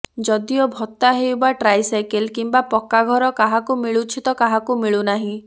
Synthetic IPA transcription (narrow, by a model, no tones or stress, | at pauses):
d͡ʒɔd̪iɔbʱɔt̪ːaɦewbaʈɾajsajkelkimbapɔkːaɡʱɔɾɔkaɦakumiɭut͡ʃʰit̪ɔkaɦakumiɭunaɦĩ